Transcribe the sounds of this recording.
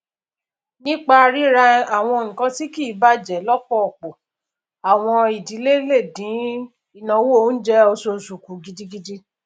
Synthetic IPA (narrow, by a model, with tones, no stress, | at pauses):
nĩ˦k͡pa˧ɾi˦ɾa˧a˨w̃ɔ̃˧o˧˨ŋũ˨kã˧ti˦ki˦˨˦ba˦d͡ʒɛ˨lɔ˦kɔ˦ɔ˨k͡po˨ | a˨w̃ɔ̃˧i˨di˨˦le˦le˦˨dĩ˨˦ | i˨nã˨˧˦wo˦n̩˦d͡ʒɛ˦o˧so˧˨su˨ku˨ɡi˧di˧ɡi˧di˦